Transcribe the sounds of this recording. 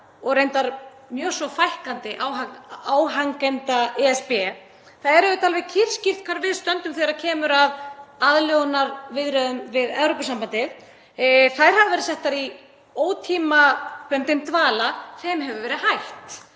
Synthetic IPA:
ɔɣrejnt̪aɾ | mjœːsɔfajhkant̪ɪʔaːwaaːwɦaŋkɛnt̪aɛɛspɛ | θaðɛɾɛvʏt̪alvɛɣcʰɪr̥scɪr̥t̪̚kʰvaɾvɪðst̪œnt̪ʏmθeɾaɾcʰɛːmʏɾaðaðljɔɣnaɾvɪðɾœðʏmvɪðɛvɾowpasampant̪ɪð | θajɾ̥havɪvɛɾɪsɛht̪ːaɾi | oːwt̪ʰiːmaplœnt̪ɪmt̪vaːlaθɛmɦɛvʏvɛːɾɪhajht̪

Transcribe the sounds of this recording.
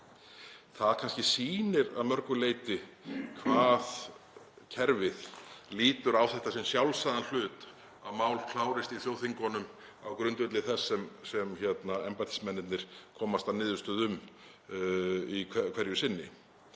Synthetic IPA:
θaðkʰanscɪsiːnɪɾa̰ðmœɾkʏleːjt̪ɪkʰvaːð | cʰɛɾvɪðliːt̪ʏɾawθɛht̪asɛmsjawlsaðanl̥ʏːt̪ | aðmaːwlkʰlaːwɾɪst̪iθjoːwθiŋkɔnʏm | awkɾʏnt̪ʏt̪lɪθɛsːɛmsɛmçɛt̪naɛmpat̪ʰi̥smɛnːɪt̪nɪɾ̥kʰɔːmast̪anɪːðʏst̪ʏðʏm | ikʰɛkʰv̥ɛɾjʏsɪnːɪ̰

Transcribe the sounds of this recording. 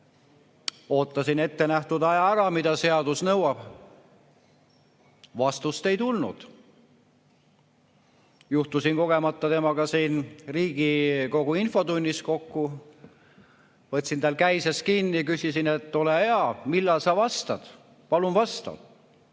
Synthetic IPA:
o̞ːt̪ːˑɑsine̞t̪ːe̞næht̪ud̪ɑjɑæɾɑmid̪ɑse̞ɑd̪̥usnɤwɑb̥ | vɑst̪ust̪e̞jt̪ulnṵd̪̥ | juht̪usinko̞ɡ̥e̞mɑt̪ːˑɑt̪e̞mɑkɑsiːnriːɡ̥iko̞ɡ̥uinfo̞t̪unʲːisko̞kːu | vɤt̪ʲsint̪æːlkæjseskinːik̬ysisinet̪ːo̞leheɑmilːɑlsɑvɑst̪ɑ̰d̪̥ | pɑlumvɑst̪ɑ̰d̪̥

